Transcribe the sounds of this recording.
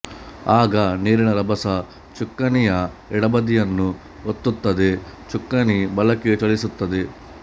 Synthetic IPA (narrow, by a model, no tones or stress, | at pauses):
aːɡɐneːɾiɳɐɾɐbɐsɐ | t͡ʃukːɐnijɐ | ɛɽɐbɐd̪ijɐnːu | ot̪ːut̪ːɐd̪et͡ʃukːɐnibɐlɐkːet͡ʃɐɭisut̪ːɐd̪e